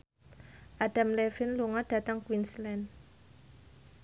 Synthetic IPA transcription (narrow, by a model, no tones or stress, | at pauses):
ʔaɖ̥amlɛfɪnluŋaɖ̥a̤t̪əŋkwinslɛn